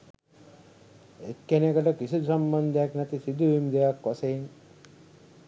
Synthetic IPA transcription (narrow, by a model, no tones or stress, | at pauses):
ekːenekɐʈɔkisusɐmbɔnd̪ʱjaknɐt̪isid̪ʱuimd͡ʒejakːɔseːŋ